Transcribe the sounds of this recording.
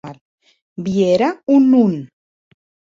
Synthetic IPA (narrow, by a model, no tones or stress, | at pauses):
aɾ | bieɾaunun